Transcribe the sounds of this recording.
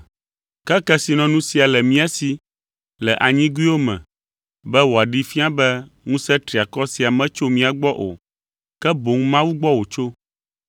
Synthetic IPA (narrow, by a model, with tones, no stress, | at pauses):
kɛ˦kɛ˦si˨nɔ̃˨nũ˦si˨a˨lɛ˨mĩ˦a˦si˦ | lɛ˨ʔa˨ɲĩ˦ɡu˦i˦wo˦mɛ̰̃˨ | bɛ˦wo˨a˨ɖi˦fĩ˦a˦bɛ˦ | ŋũ˦sɛ˦t̪ɾi˨a˨kɔ˦si˨a˨mɛ̃˦t͡ʃo˦mĩ˦a˨ɡ͡bɔ˦ʔo̰˨ | kɛ˦bo˨ŋũ˦mã˦wu˦ɡ͡bɔ˦wo˨t͡ʃo˦